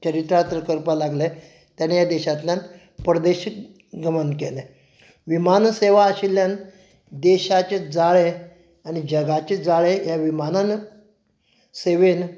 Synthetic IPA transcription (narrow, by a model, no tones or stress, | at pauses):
t͡ɕəɾit̪ɾat̪ɾəkəɾpalaɡle | t̪janejad̪eɕat̪lan | pɾd̪eɕik | ɡʱəmənkele | ʋimanseʋaːɕiljan | d̪eɕat͡ɕed͡zaɭe | anid͡ʑəɡat͡ɕed͡zaɭejaʋimanan | seʋen